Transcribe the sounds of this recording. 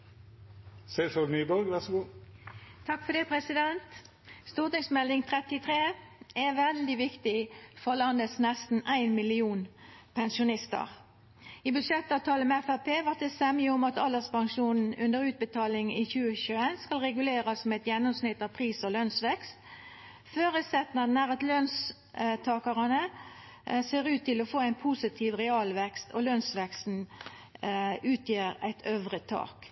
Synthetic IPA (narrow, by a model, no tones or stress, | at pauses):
sɛɪsɔlnyːbɔlɡʋæʁsɡuː | t̪ʰɑkːfɔd̪ɛpʰʁɛsɪd̪ɛnt̪ | st̪uːʁt̪ɪŋsmɛld̪ɪŋt̪ʰʁɛt̪ɪt̪ʰʁeːæʋɛld̪ɪʋɪkt̪ɪfɔʁlɑnd̪əsnɛst̪n̩æɪnmɪlɪuːnpʰɛnsʊnɪst̪ə̰ʁ | ibʉʂɛt̪ːɑʋt̪ʰɑːləmɛɛfæpʰeːʋɑʁt̪̚d̪ɛsɛmɪʊmɑt̪ɑləspɑŋʃuːnn̩ʉnd̪əʁʉːt̪̚bət̪ʰɑːlɪŋɪçʉːəçʉːənskɑlʁɛɡʉleːʁɑsmɛt̪jɛnːʊmsnɪt̪ːɑʋpʰʁiːsɔlœnsʋɛkst̪ | føːʁʉsɛt̪nɑd̪n̩æʁɑt̪lœns | t̪ʰɑːkɑʁɑnə | seːʁʉːt̪ʰːɪlɔfoːæɪnpʰusɪt̪ʰiːʋʁɛɑlʋɛkst̪ʰɔ̰lœnsʋɛkst̪n | ʉːt̪ʰjeːɾæ̰ɪt̪ʰøːʋʁət̪ʰɑ̰ːk